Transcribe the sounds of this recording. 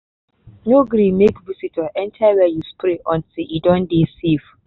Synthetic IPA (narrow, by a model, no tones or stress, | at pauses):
noɡɾĩmekvisitʰɔʔɛ̃ntʰawɛjuspɾeʔɔ̃ntiidɔ̃ndesif